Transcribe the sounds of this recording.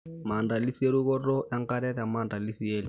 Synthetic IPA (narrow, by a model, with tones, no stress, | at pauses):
ma˨nda˨li˦si˦e˦lu˦kɔ˦rɔ˦ʔa˦ŋ˦ka˦ɾɛ˦ɾa˨ma˨nda˨li˦si˦eː˦li˨